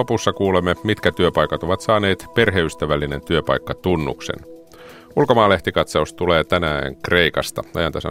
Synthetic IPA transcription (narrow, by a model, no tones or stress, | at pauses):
opusːɑkuːlemːemit̪kæt̪yøpɑjkɑt̪o̞ʋɑt̪sɑːne̞ːt̪pe̞rɦeyst̪æʋælːine̞nt̪yøpɑjkːɑt̪unːṵksḛn | ulkomɑːle̞ht̪ikɑt̪sɑust̪t̪uleːt̪ænæ̰ːŋkre̞ikɑst̪ɑ̰ɑ̰jɑnt̪ɑsɑ̰